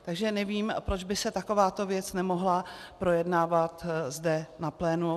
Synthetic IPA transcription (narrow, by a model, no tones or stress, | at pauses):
t̪aɡʒɛnɛviːmpɾo̞d͡ʒbɪsɛt̪ako̞vaːt̪o̞vjɛt͡snɛmo̞ɦlapɾo̞jɛdnaːvat̪zdɛnaplɛːnu